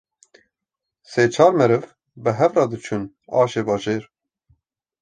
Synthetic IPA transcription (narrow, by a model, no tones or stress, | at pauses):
seːt͡ʃʰɑːɾmɛɾɨv | bɨɦɛvrɑːd̪ɨt͡ʃʰun | ɑ̰ːʃeːbɑːʒeːɾ